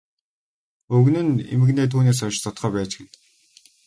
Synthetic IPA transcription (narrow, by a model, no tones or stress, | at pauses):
ɵɣnɘ̆nḛmɘ̆ɣneːt̪ʰuːneːs̬ɔʃt͡sɔt̪χœːpæːt͡ɕɡĕt͡ɕ